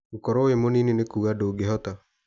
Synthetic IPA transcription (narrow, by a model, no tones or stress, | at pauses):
ukɔɾoemonininekuɣadoɡeɦɔt̪a